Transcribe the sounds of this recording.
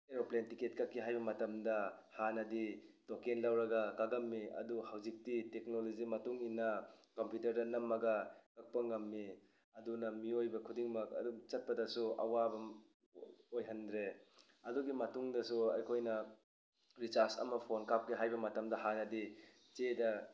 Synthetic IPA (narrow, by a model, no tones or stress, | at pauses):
eɾoplentiket̚kɐk̚kːiɦajbɐmɐtɐmdɐhanɐditokenlɐwɾɐɡɐkaɡɐmːiɐ̰duhawzik̚titek̚nolozimɐtuŋinːɐkompjutɐɾdɐnɐmːɐɡɐkɐk̚pɐŋɐmːi | ɐdunɐmiojbɐkʰudiŋmɐk̚ɐ̰dumt͡ʃɐt̚pɐdɐsuɐ̰wabɐ | ojɦɐndɾe | ɐduɡimɐtuŋdɐsuɐ̰jkʰojnɐ | ɾit͡ʃaɾsɐ̰mɐpʰonkap̚kiɦajbɐmɐtɐmdɐhanɐdi | t͡ʃedɐ